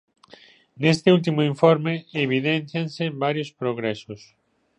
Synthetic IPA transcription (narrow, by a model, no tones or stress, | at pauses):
nest̪ɪult̪̬imʊiɱfoɾmeeβ̞iðen̟θjanseβaɾjospɾoɣɾɛsʊs